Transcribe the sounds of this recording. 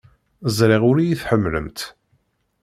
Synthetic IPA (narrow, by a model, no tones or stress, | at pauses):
zˤɾɪʁʊɾijiθħəmːlə̰mt̪